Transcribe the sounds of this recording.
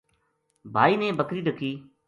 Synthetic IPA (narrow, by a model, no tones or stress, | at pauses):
bʱa̰ːiːnẽːbəkɾiːɗəkʰiː